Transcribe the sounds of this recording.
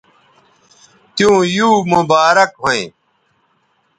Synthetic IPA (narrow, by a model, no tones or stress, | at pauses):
t̪jũːjuːmubaːɾɐkɦoḛ̃ː